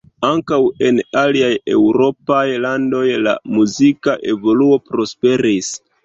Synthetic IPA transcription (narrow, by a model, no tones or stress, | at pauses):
aŋkawe̞naliaje̞̰wɾo̞pajlando̞jla̰muzikaʔe̞vo̞luo̞pɾo̞spe̞ɾis